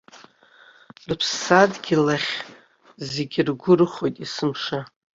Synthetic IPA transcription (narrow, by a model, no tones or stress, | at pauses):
rɨpʰsːadɡʲilaχʲ | zeɡʲɪrɡʷʊrɨχo̞jtʼisɨmʂa